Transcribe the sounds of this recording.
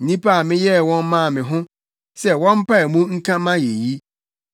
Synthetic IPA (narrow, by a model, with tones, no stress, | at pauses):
n̩˦nĩ˦pʰa˦˨mɪ̃˦jɛ˦˨wɔ̃˦n˦mã˦˨mɪ̃˨ɦʊ̃˦ | sɛ˦wɔ̃˦m̩˦pʰa˦ɛ˨mũ˦ŋ̩˦kʰã˦mã˦je˨ji˦